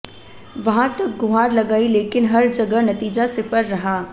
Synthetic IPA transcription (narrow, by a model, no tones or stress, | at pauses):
ʋɐɦãt̪ɐk̚ɡʊɦaːɾlɐɡaːileːkɪnɦɐɾd͡ʒɐɡənɐt̪iːd͡ʒasɪfəɾːɐɦaː